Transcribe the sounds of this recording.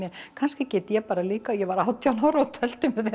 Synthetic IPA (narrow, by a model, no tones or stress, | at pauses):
jɛkʰanscɪcɛːt̪ɪjɛpaːɾaliːkaɔjɛvaɾawt̪ʰjawnaːwɾawt̪ʰɛl̥t̪ʏmvɪθɛ